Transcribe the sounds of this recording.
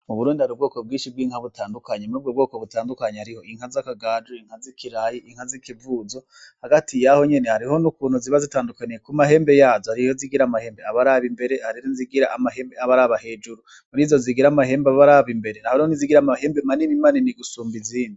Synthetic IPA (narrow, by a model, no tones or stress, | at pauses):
uβuɾuːndihaɾiubɡoːko̞b̚ɡiːnʃib̚ɡiːŋ̥haβutaːndukaɲemub̚ɡobɡo̞ːkoβutaːndukaɲehaɾiho̞iŋ̥hazakaɡaːd͡ʒeiŋhazikʰiɾajiʔiŋ̥hazikivuːzo̞ | haɡatijaho̞ɲe̞nehaɾiho̞nukuːnhuziβazitaːndukanijekumaɦe̞ːmbe̞jaːzohaɾijoziɡiɾamahe̞ːmbeaβaɾaβimbe̞ɾehaɾiɾoziɡiɾaʔamaheːmbeaβaɾaβahe̞d͡ʒuɾu | nizo̞ziɡiɾamaɦe̞ːmbaββaɾaβimbe̞ɾenahonioniziɡiɾamahe̞ːmbemaninimaːniniɡusuːmbiziːndi